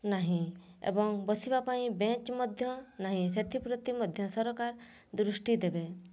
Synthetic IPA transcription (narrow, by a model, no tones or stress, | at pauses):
naɦĩḛbɔŋbɔsibapaĩbẽt͡ʃmɔd̪ʱjɔnaɦĩset̪ʰipɾɔt̪imɔd̪ʱjɔsɔɾɔkaɾ | d̪ɾusʈid̪ebe